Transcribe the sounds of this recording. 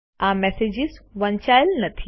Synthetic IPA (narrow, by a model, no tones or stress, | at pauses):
aːmɛseːd͡ʑizʋɐɲt͡ʃaːjlnɐt̪ʰi